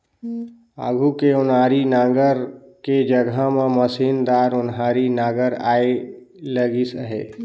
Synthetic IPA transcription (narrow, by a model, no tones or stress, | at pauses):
a̰ːɡʱukeʊnaːɾinaːɡəɾked͡ʒəɡʱamãməsiːnd̪aːɾʊnɦaːɾinaːɡəɾa̰ːe | ləɡisəɦḛː